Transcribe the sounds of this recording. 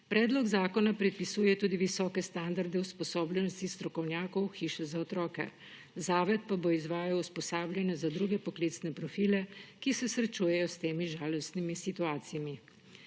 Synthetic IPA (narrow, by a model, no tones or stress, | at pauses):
pɾɛːd̪lɔɡzaːkɔnapɾɛt̪̚pisuːjɛt̪uːd̪iʋisɔːkɛst̪and̪aɾd̪ɛuspɔsoːbljɛnɔst̪ist̪ɾɔkɔwnjaːkɔwxiːʃɛzaɔt̪ɾɔːkɛ̰ | zaːʋɛt̪̚paboizʋaːjawuspɔsaːblʲjanɛzad̪ɾuːɡɛpɔklit̪snɛpɾɔfiːlɛkisɛsɾɛt͡ʃuːjɛjɔst̪eːmiʒaːlɔst̪nimisit̪uaːt̪sijami